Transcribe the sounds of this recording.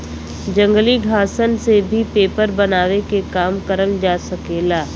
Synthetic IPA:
d͡ʒə̃ŋɡliɡʱaːsənsebʱipeːpəɾbɐnaːʋekekaːmkəɾənd͡ʒaːsɐkeːlaː

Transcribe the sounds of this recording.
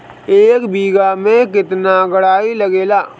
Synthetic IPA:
eːkbʱiːɡamẽkɪt̪naɡɐɽaːilɐɡeːlaː

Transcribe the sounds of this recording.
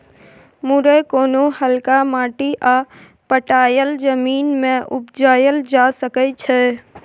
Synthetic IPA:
muɾəkoːnohəlkamaːʈiʔa | pəʈaːjəld͡ʒəmiːnmẽʔʊpd͡ʒaːjəld͡ʒasəkət͡ʃʰɛ

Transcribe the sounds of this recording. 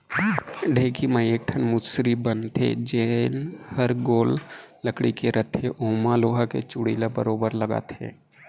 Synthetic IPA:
ɖʱeːkimaeːk̚ʈʰənmʊsɾibənt̪ʰḛd͡ʒenhəɾɡoːlləkɽikeɾʔət̪ʰeʔoːmaloːɦakḛt͡ʃʊɽiːlabəɾoːbəɾləɡa̰ːt̪ʰḛː

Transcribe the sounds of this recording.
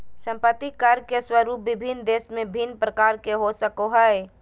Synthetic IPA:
sə̃mpət̪ːikəɾkeswəɾuːpʋɪbʱɪnd̪eːsmẽbʱinːpɾəkaːɾkeɦosəkoɦəe

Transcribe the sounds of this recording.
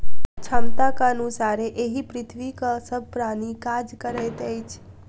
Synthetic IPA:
t͡ʃʰəmt̪akaənusaɾeʔeɦipɾɪt̪ʰʋikasəb̚ʱpɾañikad͡ʒkəɾət̪əjt͡ʃʰ

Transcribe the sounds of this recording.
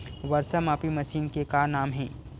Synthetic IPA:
ʋɐɾsəmaːpimɐʃiːnkekaːnaːmɦɛ̰̃ː

